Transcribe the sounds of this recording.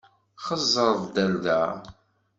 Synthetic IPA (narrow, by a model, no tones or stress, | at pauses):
χəzˤːəɾˤðˤd̪ælðæ̰